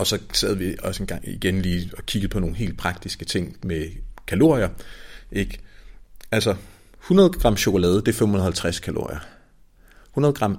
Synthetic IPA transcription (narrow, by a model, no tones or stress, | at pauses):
ɒ̽sɒ̽sɛ̰ð̞̩ˠʋiɒ̽səenɡ̥ɑ̈ŋ̰iɡ̥enliːɒkʰiɡ̥ð̩ˠpʰɒ̽no̝ːn̩ɦe̝̰ːld̥̚pʰʁɑ̈ɡ̥̚d̥isɡ̥ət͡sʰe̝ŋ̰mekʰælo̝ɐ̰iɐʔe̝ɡ̥ | ælsɒ | hunɐð̞ˠɡ̥ʁɑ̈m̰ɕo̝kʰo̝lɛːð̞ˠəd̥e̝ɐfemunð̩ˠɐhælt͡sʰʁaskʰælo̝ɐ̰ḭɐ | hunɐð̞ˠɡ̥ʁɑ̈m̰